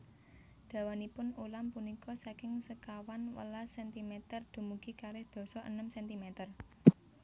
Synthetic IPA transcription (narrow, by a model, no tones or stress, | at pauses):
d̪̥ä̤wanipʊnulampunikɔsakɪŋsəkawanwə̰lasɛnt̪imɛt̪ərd̪̥ṳmuɡ̥ikaɾɪhd̪̥ɔ̤sɔʔə̰nəmsɛnt̪imɛt̪ər